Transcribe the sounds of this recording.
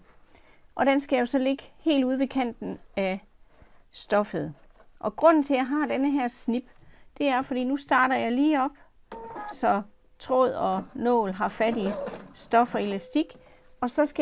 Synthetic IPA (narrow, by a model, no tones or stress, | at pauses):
ʔɒ̽d̥ensɡ̥æjo̝sɒ̽le̝ɡ̥əhe̝̰ːlduð̞ˠʋe̝kʰæn̰d̥n̩æ | sd̥ɒ̽fəð̞̩ˠ | ʔɒ̽ɡ̥ʁɔ̽n̰n̩t͡sʰe̝jɑ̈ɦɑ̈ːd̥enəɦæɐ̰snib̥d̥e̝æɐfɒd̥ḭːnusd̥ɑ̈ːɾɐjɑ̈ɪliːɒ̽b̥̚ | sɒ̽ | t͡sʰʁɔ̰ð̰ˠɒ̽nɔ̰ːlɦɑ̈fædisd̥ɒ̽fɒ̽e̝læsd̥iɡ̥ | ɒ̽sɒ̽sɡ̥æ